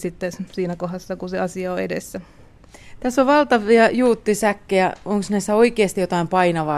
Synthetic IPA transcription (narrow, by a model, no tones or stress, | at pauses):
sit̪ːesiːnækoɦɑsːɑkuseɑsiɑoedḛsːæ | t̪æsːoʋʋɑlt̪ɑʋiɑjuːt̪ːisækːejæoŋksnæisːæoikeːst̪ijot̪ɑimpɑinɑʋɑ